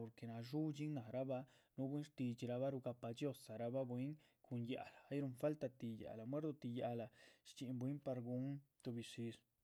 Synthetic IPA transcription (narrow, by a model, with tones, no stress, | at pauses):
o˨ɾke˨na˧ʐu˦t͡ʃi˦ŋna˨ɾa˦ba˧nu˦bwi˦nʂt̪i˧t͡ʃi˧ɾa˧βa˦ɾu˧ɡa˧pa˧d͡ʒjo˦˧sa˨ɾa˧ba˦bwi˦ŋ | kʰu˧nja̰˧laː˨˦jɾu˧nfa˦lt̪a˧t̪i˧ja̰˨la˨mwe˦ɾd̪o˧t̪i˧ja˧la˨ʃt͡ʃi˧mbwi˦mpa˧ɾɡu˧˦nt̪u˧bi˧si˧ɾ